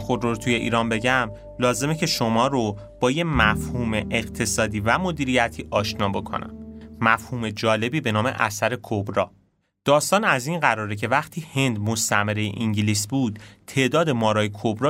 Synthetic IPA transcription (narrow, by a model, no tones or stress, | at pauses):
xod̪roɾt̪ʰuje̞ʔḭːɾɒːnbe̞ɟæm | lɒːze̞me̞cʰe̞ʃomɒːɾo | b̥ɒːjemæfhuːmeʔeɢt̪ʰe̞sɒːd̪iːvæmo̞d̪iːɾijæt̪ʰiːʔɒːʃnɒːbo̞kʰo̰næ̰mmæfhuːme̞d͡ʒɒːle̞biːbe̞nɒːme̞̰ʔæ̰sæɾe̞kʰobɾɒː | d̪̥ɒːst̪ɒːnæzinɢæɾɒːɾecʰe̞væχt̪ʰiːhe̞nd̪most̪æmeɾejḛʔiŋɟiliːsbuːd̪̥t̪ʰːe̞ːʔd̪ɒːd̪e̞mɒːɾɒːjekʰobɾɒː